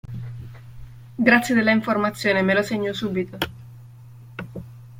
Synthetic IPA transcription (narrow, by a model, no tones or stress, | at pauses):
ɡɾat̪sːjed̪elːaiɱformat̪sːjoːnemeloseɲːosuːbit̪o